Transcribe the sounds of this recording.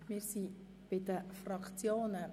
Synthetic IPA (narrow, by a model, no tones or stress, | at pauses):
mɪːɾsi | b̥ɪdəfrɑkt͡sjoːnə